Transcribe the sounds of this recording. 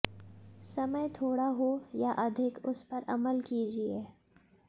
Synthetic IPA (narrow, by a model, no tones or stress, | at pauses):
sɐməjt̪ʰoːɽaɦojaʔɐd̪ʱɪkʊspɐɾɐ̰məlkiːd͡ʒieː